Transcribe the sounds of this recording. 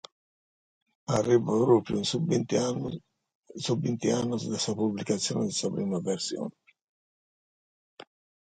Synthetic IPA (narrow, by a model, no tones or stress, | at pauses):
arːivapɾoːpɾjuin | suvint̪ianːʊsd̪asapublikat̪sːjɔ̰ːned̪ɪsapɾiːmaversjɔ̰ːne